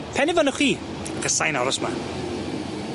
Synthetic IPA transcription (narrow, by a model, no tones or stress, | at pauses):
pʰɛnɪvənʊχiː | akʰəsajnɔɾɔsma